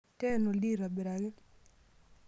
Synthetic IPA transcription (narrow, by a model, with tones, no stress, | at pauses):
tɛ˦no˨di˦ɾa˨be˨ɾa˨ɡe˦